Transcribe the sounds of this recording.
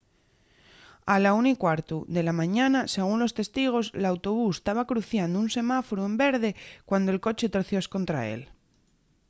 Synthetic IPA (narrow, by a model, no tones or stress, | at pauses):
alaunikwaɾt̪uðe̞lamãɲanase̞ɣ̞unlo̞st̪e̞st̪iɣ̞o̞slaawt̪o̞β̞ust̪aβakɾuθjand̪ounse̞mafoɾue̞mbe̞ɾð̞e̞kwand̪oe̞lko̞t͡ʃe̞t̪oɾθjo̞sko̞nt̪ɾa̰e̞̰l